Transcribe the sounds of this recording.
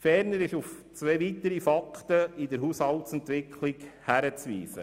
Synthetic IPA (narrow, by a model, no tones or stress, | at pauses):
fɛɾnəɾɪʃuft͡sʋeːʋit̪əɾifɑkχt̪əidəɾɦuːshɑltsɛnt̪ʋɪkʰlɪkhæɾət͡sʋḭːsə̰